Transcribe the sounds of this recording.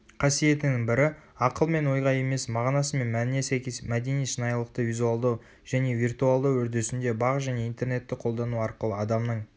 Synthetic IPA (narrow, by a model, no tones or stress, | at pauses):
qʰɑsije̞t̪ɪnɪŋbɪɾɪ | ɑqəlˠme̞nwo̞jʁɑje̞me̞smɑʁnɑsəme̞nmænɪnesækʲemæd̪e̞nijʃənɑjlˠəqt̪əvijzualˠd̪ɑw | ʒ̥æne̞virt̪ualˠd̪əwɵɾd̪e̞sɪnd̪e̞bɑʁʒæne̞ijnt̪e̞ɾne̞t̪ːɪqʰo̞lˠd̪ɑnuɑɾqəlˠəɑd̪ɑmnəɴ